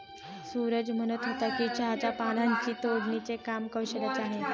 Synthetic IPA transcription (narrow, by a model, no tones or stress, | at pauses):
suɾəd͡ʑm̤ənət̪ɦot̪akiːt͡ɕaɦt͡ɕapanãɲt͡ɕiːt̪od͡ʑnit͡sekamkəuɕəkət͡saɦe